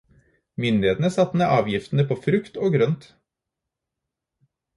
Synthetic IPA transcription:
mʏnd̪ɪeːt̪n̩əsɑt̪ːmeʔɑːʋjɪft̪n̩əpʰoːfɾʉkt̪oːɡɾœnt̪

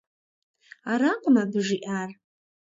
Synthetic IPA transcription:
aɾaqʷʼmabɨʐiʔar

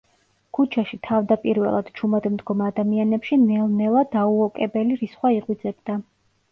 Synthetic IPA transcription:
kʰut͡ʃʰaʃit̪ʰavd̪apʼiɾvɛ̰lˠa̰d̪̥t͡ʃʰumad̪md̪ɡɔmad̪amianɛpʃinɛlˠnɛlˠad̪auɔkʼɛbɛliɾisχwaiʁʼwid̪zɛbd̪a

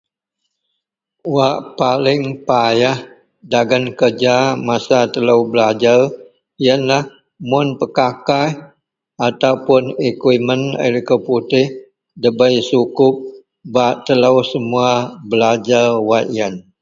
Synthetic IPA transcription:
waʔpalɪŋpajah | daɡənkərd͡ʒamasat̪ələwbəlad͡ʒar | jənlah | mʊnpəkakaj | at̪awpʊnikwimənə̰likəput̪ɪh | dəbəjsukʊp̚ | baʔt̪ələwsəmuabəlad͡ʒarwaʔjan

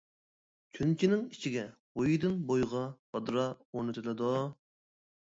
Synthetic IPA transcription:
kʲʰynt͡ʃʰinɪŋit͡ʃʰiɡʲɛbojid̪ɨnbojʁɑhɑd̪ɾɑuɾnɨt̪ʰɨlˠɨd̪ʊ

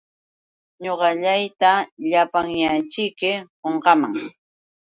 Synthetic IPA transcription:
ɲoɢɑʎajt̪aʎapaŋjat͡ʃɪjkɪhoɴɢɑmaŋ

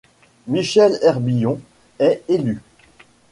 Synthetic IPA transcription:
miʃɛlɛʁbijɔ̃ | ɛely

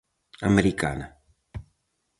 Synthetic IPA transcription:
ameɾika̰na

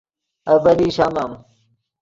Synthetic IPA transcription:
ɐbɐliːɕamam

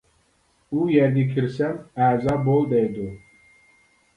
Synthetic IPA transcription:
ujɛɾd̪ikʲʰiɾsɛmæːzabolˠd̪ɛjd̪u

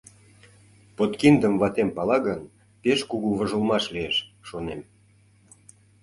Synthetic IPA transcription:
pot̪kind̪əmvɑt̪empɑlɑɣən | peʃkuɣuβə̆ʒə̆lmɑʃlieʃːonem

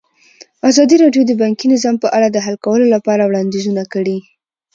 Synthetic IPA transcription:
azɑd̪iɾɑɖjod̪əbɑŋkinɪzɑmpəʔaɽad̪əɦalkawəlolapɑɾawɽɑnd̪izunakəɽi

